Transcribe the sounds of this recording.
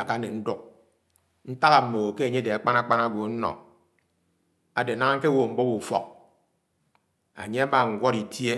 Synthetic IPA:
a˨ka˦ne˨n̩˦du˦k̚ | n̩˦ta˦ɣa˨m̩˨mo˨ke˦a˨ɲe˦de˨a˨k͡pa˦na˦k͡pa˦na˦ɡʷo˨˦n̩˦nɔ̰˨ | a˨de˨na˦ŋ˦ŋ̩˦ke˦wo˨m̩˨bɔ˦bu˨fɔ̰˨k̚ | a̰˨ɲe˦a˦ma˦˨ŋ̩˨ɡʷɔ˦ɾi˨tje˦

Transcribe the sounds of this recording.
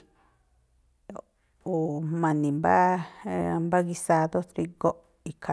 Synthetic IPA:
u˨mã˨nĩ˨mba̰˦ | mba˦ɣi˧sa˧ðo˦t̪ɾi˧ɣo˦ | i˨kʰa˨

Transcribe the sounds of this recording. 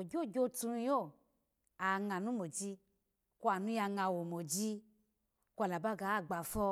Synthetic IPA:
o˨d͡ʒo˦˨d͡ʒo˦tũ˧˦jo˦˨ | a˨ŋã˨nũ˦mo˨d͡ʒi˧ | ku˦a˨nũ˦ja˧ŋã˧wo˨mo˨d͡ʒi˦ | kʷa˨la˨ba˦ɡa˨˦˨ɡ͡ba˨fɔ˦

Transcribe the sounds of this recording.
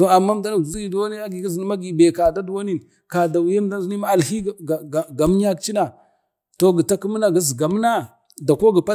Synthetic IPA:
to˨a˨mːa˦m˦da˦na˨ɡzi˦ɡi˨du˨wa˦n˦i˦a˦ɡi˨ɡi˦zi˨n˦ma˦ɡi˨be˨ka˨da˦du˨wa˦ni˦˨n | ka˨da˨wu˨ja˦m˦da˦nzi˦ni˦ma˦a˨lhi˦˨ɡa˨m˦ɲa˦kt͡ʃi˦na˨ | to˨ɡi˨ta˦ki˦m˦na˨ɡi˦zɡa˨m˦na˦ | da˨ko˦ɡi˨pa˦

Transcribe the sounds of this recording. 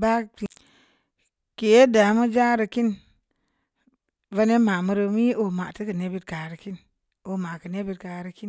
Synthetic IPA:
ba˦ti˨ | ke˨je˦da˨˦mu˦d͡ʒa˦ɾə˧ki˦n | va˧ne˦ma˨mu˧ɾə˧mi˦o˨ma˨tə˦kə˨ne˦bi˧t̚ka˨ɾə˨ki˦n | o˨ma˨kə˨ne˦bi˧tka˨ɾə˧ki˦n

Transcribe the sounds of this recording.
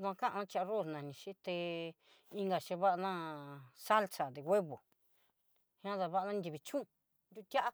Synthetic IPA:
ðu˧ã˧kã˦ʔnã˦t͡ʃa˧ʔa˧ro˦˨snã˨˧nĩ˧ʃi˦t̪e˧ | i˧ŋɡa˨ʃe˧βa˦ʔa˧nã˦sa˦lt͡sa˨d̪e˨we˦βo˨ | hã˦ða˧βa˦ʔa˧nã˦˧nd̪ʲi˧βi˧t͡ʃũ˦˧ | nd̪ʲu˧t̪ʲa˦ʔa˦

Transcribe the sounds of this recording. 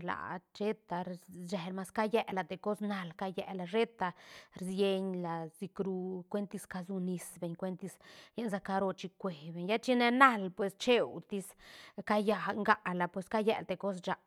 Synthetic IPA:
la̰˨t͡ʃe˦t̪a˨ɾd͡ʒe˨lma˧ska˦je˦˧la˨t̪e˨ko˦sna˧lka˧jɛ˧la˨ʐe˦t̪a˧ɾzje˧ɲla˨zi˧kɾu˧kʷe˦nt̪i˧ska˧zu˧ni˧sbe˧ɲkʷe˧nt̪i˧sje˦nza˧ka˧ɾo˧t͡ʃi˧kʷe˨be˨ɲja˦t͡ʃi˦ne˧na˦lpwe˧st͡ʃe˦wt̪i˧˦ska˧ja˧˨ŋɡa˧ʔla˨pwe˧ska˦jḛ˧˨lt̪e˧ko˦s̬d͡ʒa˨˧

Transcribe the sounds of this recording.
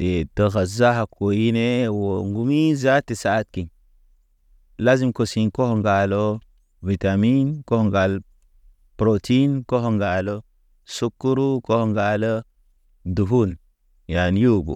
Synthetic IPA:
e˨tə˨ɣa˨za˦ɦa˨ko˨ji˦ne˦wo˨ŋɡu˦mi˦za˦ti˨sa˦t̚ki˨n | la˦zi˦mko˨si˨nko˦ho˨ŋɡa˨lo˦ | vi˨ta˨mi˦nko˦ho˨ŋɡa˨l | pɾo˨tʰi˦nko˦ho˨ŋɡa˨lo˦ | su˦kːu˦ɾu˦ko˦ho˨ŋɡa˨lə˦ | du˨fu˦n | ja˨n˦ju˦bṵ˨

